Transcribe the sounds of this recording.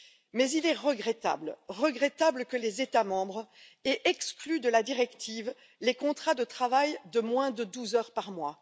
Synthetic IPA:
mɛzilɛʁəɡʁɛt̪a̰blʁəɡʁɛt̪abləkəlezet̪amɑ̃bʁɛʔɛksklyd̪əlad̪iʁɛkt̪iv | lekɔ̃t̪χad̪ət̪χavajd̪əmwɛ̃d̪əd̪uzœʁpaʁmwa

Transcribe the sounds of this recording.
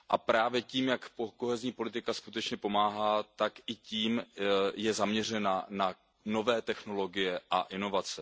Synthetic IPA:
ʔapɾaːvjɛciːmjakpoko̞ɦɛzɲiːpo̞lɪt̪ɪkaskut̪ɛt͡ʃɲɛpo̞maːɦaːt̪akʔɪciːmjɛzamɲɛrɛnana | no̞vɛːt̪ɛxno̞lo̞ɡɪjɛʔaʔɪno̞vat͡sɛ

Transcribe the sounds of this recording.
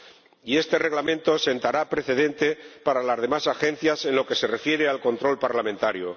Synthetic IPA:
ie̞st̪e̞re̞ɣlamẽ̞nt̪o̞se̞nt̪aɾapɾe̞θe̞ðe̞nt̪e̞paɾalazðe̞masaxẽ̞n̟θjase̞nlo̞ke̞se̞re̞fje̞ɾe̞alko̞nt̪ɾo̞lpaɾlamẽnt̪aɾjo̰

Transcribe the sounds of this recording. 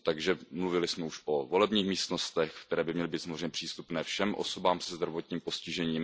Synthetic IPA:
t̪aɡʒɛmluvɪlɪsmɛuʃʔovolɛbɲiːxmiːst̪no̞st̪ɛxkt̪ɛɾɛːbɪmɲɛlɪbiːsamozɾreɛɲɛpr̥iːst̪upnɛːfʃɛmʔo̰so̞baːmsɛzd̪ɾavo̞t̪ɲiːmpo̞scɪʒɛɲiːm

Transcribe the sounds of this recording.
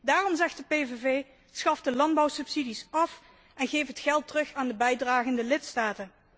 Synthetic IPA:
daːrɔmzɛxt̚dəpejvevej | tsxɑfdəlɑndbɑwsɵpsidisɑf | ʔɛnɣejfɦətχɛlˠtərɵχaːndəbɛjdraːχəndəlɪtstaːtən

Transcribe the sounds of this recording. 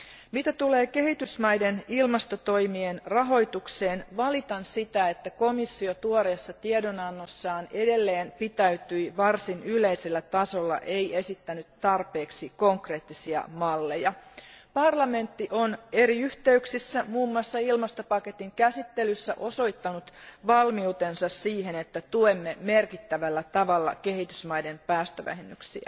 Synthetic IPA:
mit̪æt̪ule̞ːke̞ɦit̪ysmɑjdenilmɑst̪ot̪o̞jmienrɑɦo̞jt̪ukse̞ːnʋɑlit̪ɑnsit̪æe̞t̪ːæko̞misːiot̪uoɾesːɑt̪iedo̞nɑnːosːɑːne̞de̞lːe̞ːnpit̪æyt̪yiʋɑrsinyle̞jselːæt̪ɑso̞lːɑ̰ʔe̞je̞sit̪ːænyt̪ːɑrpeːksiko̞ŋkre̞ːt̪ːisiɑ̰mɑlːe̞jɑpɑrlɑme̞nt̪ːiʔone̞ɾiyht̪e̞yksisːæmuːmːuɑsːɑilmɑst̪o̞pɑket̪iŋkæsit̪ːelysːæ̰ʔo̞so̞jt̪ːɑnut̪ʋɑlmiut̪e̞nsɑssiːhenet̪ːæt̪uemːemerkit̪ːæʋælːæt̪ɑʋɑlːɑ̰kehit̪ysmɑjde̞mpæːst̪øʋæ̰hemːyksḭæ̰

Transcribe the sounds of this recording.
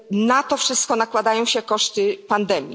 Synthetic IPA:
nat̪ɔfʂɘst̪̚kɔnakwad̪ajɔ̃w̃ɕɛkɔʂt̪ɘpand̪ɛmʲji

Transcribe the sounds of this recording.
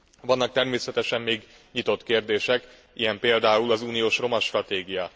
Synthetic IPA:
vɒnːɒk̚t̪ɛrmeːsɛt̪ɛʃɛmːeːɡ | ɲit̪o̞t̪keːrd̪eːʃɛk | ijɛmpeːld̪aːulɒzuːnijoːʃro̞mɒʃt̪rɒt̪eːɡijɒ

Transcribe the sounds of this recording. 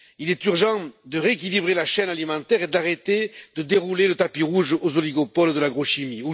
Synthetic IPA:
ilɛt̪yʁʒɑ̃d̪əʁeekʲilibʁelaʃɛnalimɑ̃t̪ɛʁed̪aʁet̪ed̪̥əd̪eʁulelət̪apiʁuʒozɔliɡɔpɔld̪əlaɡʁɔʃimiu

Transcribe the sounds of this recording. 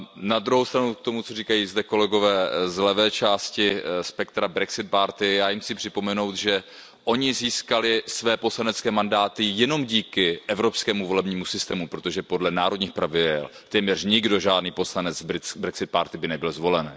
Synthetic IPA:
nad̪ɾuɦowst̪ɾanukt̪o̞mut͡so̞riːkajiːzdɛko̞lɛɡo̞vɛːzlɛvɛːt͡ʃaːscɪspɛkt̪ɾabɾɛksɪt̪̚paɾt̪ɪjaːjimsipr̥ɪpo̞mɛno̞wt̪ʒɛ | ʔo̞ɲɪziːskalɪsvɛːpo̞slanɛt͡skɛːmandaːt̪ɪjɛno̞mɟiːkɪʔɛvɾo̞pskɛːmuvo̞lɛbɲiːmusɪst̪ɛːmupɾot̪o̞ʒɛpo̞dlɛnaːɾo̞dɲiːxpɾavɪdɛ̰lt̪ɛːmɲɛrɲɪɡdo̞ʒaːdniːpo̞slanɛt͡sbɪbɾɛksɪt̪̚paɾt̪ɪbɪnɛbɪlzvo̞lɛn

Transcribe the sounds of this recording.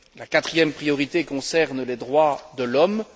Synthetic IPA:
lakat̪χijɛmpχijɔʁit̪ekɔ̃sɛʁnlɛd̪ʁwad̪əlɔm

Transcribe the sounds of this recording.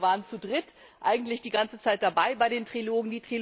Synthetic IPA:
vaːʁənt͡sudʁɪt | ʔa̰ɪɡŋ̩tlɪçd̥iːɡant͡sət͡saɪt̚d̥abaɪbaɪɾeːntʁ̥iloːɡŋ̩diːtʁ̥il

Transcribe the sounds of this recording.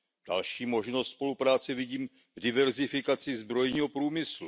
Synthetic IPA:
d̥a̰lʃiːmo̞ʒnost̪spo̞lupɾaːt͡sɛvɪɟiːm | vdɪvɛɾzɪfɪkat͡sɪzbɾo̞jɲiːɦopɾuːmɪslu

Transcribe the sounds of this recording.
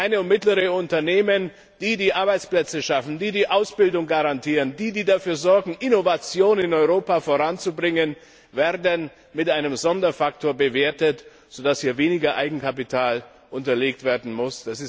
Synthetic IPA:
ʔaɪnəʊnmɪtləʁəʊntɐneːmən | d̥iːdiːʔaɐbaɪt͡splɛt͡səʃafn̩diːdiːʔaʊsb̥ɪldʊŋɡaʁantʰiːʁəndiːdiːdafyːɐzɔɐɡŋ̩ʔɪnovat͡sjoːnɪnɔʏʁoːpafoːʁant͡subʁɪŋən | veːɐdən | mɪtʔaɪnəmzɔndɐfak̚tʰoːɐbəveːɐtət | z̥odashiːɐveːnɪɡɐʔa̰ɪɡŋ̩kʰap̬itʰaːl | ʔʊntɐleːk̚tv̥eːɐdn̩mʊsd̥asɪs

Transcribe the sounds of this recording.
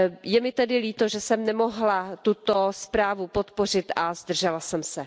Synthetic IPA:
jɛmɪt̪ɛdɪliːt̪oʒɛsɛmnɛmoɦlat̪ut̪o̞spɾaːvupot̪po̞r̝ɪt̪ʔazd̪r̩ʒɛlasɛmsɛ

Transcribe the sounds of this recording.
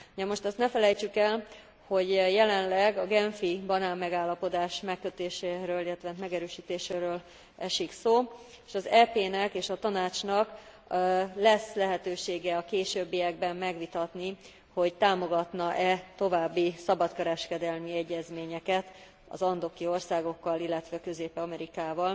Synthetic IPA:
uɟɛmo̞ʃt̪ɒst̪nɛfɛlɛjt͡ʃykɛl | ho̞ɟjɛlɛnlɛɡɒɡɛɱfibɒnaːmːɛɡaːlːɒpo̞d̪aːʃmɛkːøt̪eːʃeːɾøːlilːɛt̪ʋɛnmɛɡɛɾøːʃiːt̪eːʃeːɾøːl | ɛʃiksoː | eːʃɒzɛpeːnɛkeːʃɒt̪ɒnaːt͡ʃnɒk | lɛslɛɦɛt̪øːʃeːɡɛɒkeːʃøbːijɛɡbɛmːɛɡʋit̪ɒt̪ni | ho̞ɟt̪aːmo̞ɡɒt̪nɒʔɛt̪o̞vaːbːisɒbɒt̪kɛɾɛʃkɛd̪ɛlmiɛɟːɛzmeːɲɛkɛt̪ | ɒ̰zɒnd̪o̞kio̞rsaːɡo̞kːɒlilːɛt̪ʋɛkøzeːpɛɒmɛɾikaːvɒl

